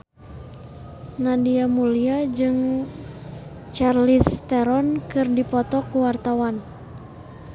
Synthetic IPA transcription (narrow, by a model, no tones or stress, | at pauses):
nadiamuliad͡ʒɨŋ | t͡ʃarlist̪ɛɾɔnkɨrdipɔt̪ɔkuwart̪awan